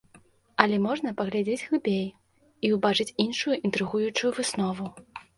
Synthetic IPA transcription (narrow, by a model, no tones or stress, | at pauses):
ɐlʲɛmɔʐnɐpɐɣlʲad͡zʲed͡zʲɣlˠɨbʲej | iubat͡ʂɨt͡sʲinʂujuʔint̪ɾɨɣujut͡ʂujuvɨsnɔvu